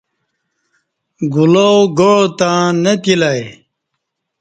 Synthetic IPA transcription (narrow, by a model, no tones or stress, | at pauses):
ɡulowɡot̪ãːnɐt̪ilaj